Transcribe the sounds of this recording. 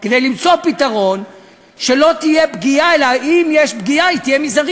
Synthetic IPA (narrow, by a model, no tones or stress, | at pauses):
ked̪ejlimt͡so̞pit̪aʁo̞n | ʃe̞lo̞t̪ijebɡiaelaimjeʃbɡiait̪ijemizaʁi